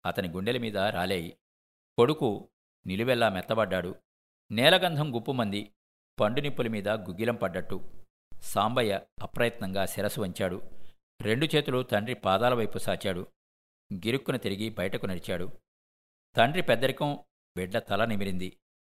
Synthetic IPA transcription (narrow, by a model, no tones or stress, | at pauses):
ɐt̪ɐniɡuɳɖelɐmiːd̪ɐɾa̰ːleːji | ko̞ɽuku | niluʋɛlːaːmɛt̪ːɐbɐɖːaːɽu | nɛːlɐɡɐnd̪ʱɐmɡupːumːɐnd̪i | pɐɳɖunipːulɐmiːd̪ɐɡuɡilɐmpɐɖːɐʈːu | saːmbɐjɐɐpɾɐjɐt̪nɐŋɡaːsɛɾɐsuʋɐɲt͡ʃaːɽu | ɾe̞ɳɖut͡ʃeːt̪ulut̪ɐɳɖɾipaːd̪aːlɐʋɐjpusaːt͡ʃaːɽu | ɡiɾukːunɐt̪iɾiɡibɐjɐʈɐkunɐɽit͡ʃaːɽu | t̪ɐɳɖɾipɛd̪ːɐɾikɐm | ʋɛɖːɐt̪ɐlɐnimiɾind̪i